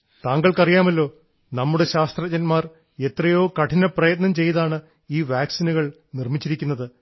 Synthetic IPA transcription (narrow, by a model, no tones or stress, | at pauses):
t̪aːŋɡɐɭkɐrijaːmɐlːo̞ː | nɐmːuɽe̞ɕaːst̪rɐt͡ɕɐnmaːr | e̞t̪rɐjo̞ːkɐʈʰinɐprɐjɐt̪̬nɐmt͡ɕe̞jɐðaːɳɨ | iːʋaːksinuɣɐɭ | nirmit͡ɕːiɾikʲːunːɐðɨ